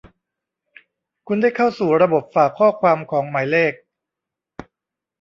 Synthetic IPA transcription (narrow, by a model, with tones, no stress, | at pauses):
kʰu˧nda˥˩jkʰa˥˩wsuː˨˩ɾa˧bo˨˩p̚faː˨˩kʰːɔː˥˩kʰwaː˧mkʰɔː˩˦ŋmaː˩˦jleː˥˩k̚